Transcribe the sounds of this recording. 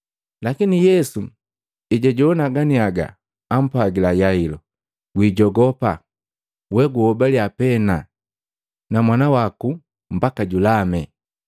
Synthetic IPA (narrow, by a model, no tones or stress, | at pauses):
lakinijɛsu | iɟaɟɔːnaɡaniaɡa̰ː | m̩paɡilajailɔ | ɡwiːɟɔɡɔpa | wɛɡuhɔbaliapɛna | namwanawaku | m̩bakaɟulamɛ